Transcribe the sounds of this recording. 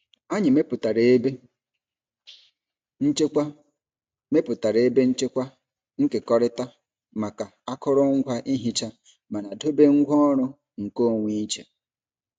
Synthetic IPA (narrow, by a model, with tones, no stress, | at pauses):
a˦ɲɪ˨me˦pʊ˨ta˨ɾe˨˦be˦ | n̩˦t͡ʃe˦kʷa˦ | me˦pʊ˨ta˨ɾe˨e˦be˦n̩˦t͡ʃe˦kʷa˦ | ŋ̩˦ke˨kɔ˦ɾɪ˦ta˦ | ma˨ka˨a˦kɔ˦ɾɔ˦ŋ̩˦ɡʷa˦ʔi˦ɦi˨t͡ʃa˦ | ma˨na˨do˦be˦ŋ̩˦ɡʷɔ˦ɾʊ˦ | ŋ̩˨ko˦˨ŋʷi˦i˦t͡ʃḛ˨